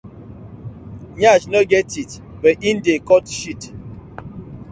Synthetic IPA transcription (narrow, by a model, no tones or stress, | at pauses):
ɲad͡ʒnoɡɛtitbɛʔin̩dekɔtʃit